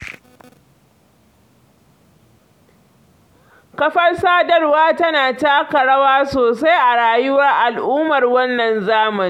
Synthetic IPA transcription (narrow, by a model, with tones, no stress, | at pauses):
kɐ˦ɸɐ˦rsaː˦dɐ˦rwaː˦tɐ˦naː˨taː˦kɐ˨ɽɐ˦waː˦soː˨sa˦jʔa˨ɽaː˨jʊ˦wɐ˦rʔa˨lʔuː˦mɐ˨rwɐ˦nːɐ˨nzaː˦mɐ˨ni˦